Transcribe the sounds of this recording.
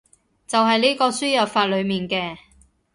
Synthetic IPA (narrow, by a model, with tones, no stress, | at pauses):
t͡sɐ˨wɦɐ˨jniː˥kɔː˧syː˥jɐ˨˩pfaː˧t̚lɵ˨˧ɥmiː˨nkɛː˧